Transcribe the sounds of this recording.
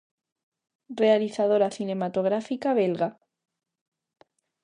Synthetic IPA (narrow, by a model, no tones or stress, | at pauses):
re̞aliθaðo̞ɾaθine̞mat̪o̞ɣ̞ɾafikaβ̞elɣa